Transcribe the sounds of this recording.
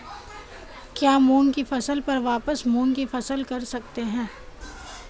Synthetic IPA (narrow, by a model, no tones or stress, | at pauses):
kjaːmoːnkifɐsəlpɐɾʋaːpəsmoːnkifɐsəlkɐɾsɐk̚t̪eɦɛ̃ː